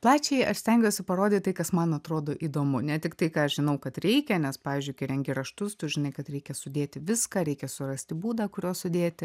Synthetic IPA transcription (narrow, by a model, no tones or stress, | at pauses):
plˠɑːt͡ʃʲɛɪɐʃsʲt̪ʲɛŋʲɡʲoːsʲɪpɐɾoːdʲɪtt̪ɐɪkɐsmɐnɐt̪ɾoːd̪oːʔiːd̪oːmʊnʲɛt̪ʲɪkt̪ɐɪkɑːɐʃʒʲɪnɐʊkɐt̪ɾʲɛɪkʲɛnʲɛspɑːʋʲiːzʲd͡ʒʲʊɪkʲɐɪɾʲɛŋʲɡʲɪɾɐʃt̪ʊst̪ʊʒʲɪnɐɪkɐt̪ɾʲɛɪkʲɛsʊd̪ʲeːt̪ʲɪʋʲɪskɑːɾʲɛɪkʲɛsʊrɐsʲt̪ʲɪbuːd̪ɑːkʊɾʲoːsʊd̪ʲeːt̪ʲɪ